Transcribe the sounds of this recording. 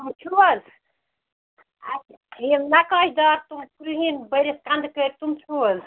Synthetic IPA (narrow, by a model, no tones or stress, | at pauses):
t̪umt͡ʃʰuwəl | a | emnakɔid̪aːɾt̪umpuɾɦinbəɾeskand̪kəɾt̪umt͡ʃʰuəl